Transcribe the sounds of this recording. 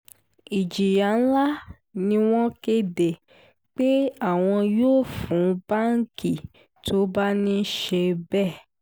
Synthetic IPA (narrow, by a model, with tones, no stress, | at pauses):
i˨d͡ʒi˨ja˨˦n̩˦la˦ | nĩ˧˦w̃ɔ̃˦ke˧de˨ | k͡pe˦a˦˨w̃ɔ̃˧joː˦˨fũ˨˦ba˦ŋ̩˦kʰi˦˨ | tʰo˦ba˦nĩ˦ʃe˧bɛ˦˨